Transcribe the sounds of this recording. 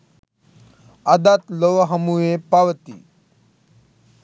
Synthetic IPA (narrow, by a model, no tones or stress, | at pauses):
ad̪at̪loʋɦəmuʋepaʋt̪ḭ